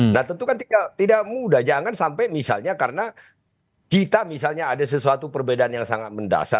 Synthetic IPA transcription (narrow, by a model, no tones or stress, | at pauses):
nat̪ənt̪ukant̪idaʔt̪idaʔ̚mudad͡ʒaŋansampajmisa̰lɲakarəna | kit̪amisalɲaːdas̬əsuat̪upərbedaanjaŋsaŋat̪̚mənda̰sa̰